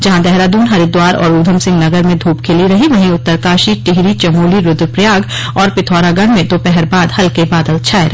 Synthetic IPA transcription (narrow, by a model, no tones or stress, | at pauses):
d͡ʒɐɦãd̪ɛɦɾad̪uːnɦɐɾid̪waːɾɔ̰ːɾuːd̪ʱəmsɪ̃ŋɡnɐɡəɾmẽd̪ʱuːpkʰeliɾɐɦiʋɐɦĩʊt̪ːəɾkaːʃiʈɪɦɾit͡ʃɐmuːliɾʊd̪pɾjaːɡ | ɔːɾpɪt̪ʰɔːɾaɡɐɽ̃mẽt̪opɛɦɛɾbaːd̪hɐlkebaːd̪əlt͡ʃʰaːeɾɐ